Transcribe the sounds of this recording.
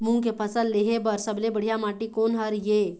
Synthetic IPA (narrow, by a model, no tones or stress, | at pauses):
muŋkepʰəsəlleɦebəɾsəblebəɽ̤jamaʈikonɦəɾje